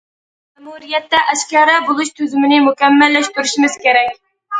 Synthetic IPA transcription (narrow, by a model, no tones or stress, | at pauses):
mɛmuɾijɛt̪ːɛʔæʃkʲɑɾɛbolˠuʃt̪ʰøzɪmɪnɪmʊkʲɛmːɛlːɛʃt̪uɾɪʃimɪz̥kʲeɾɛkʲ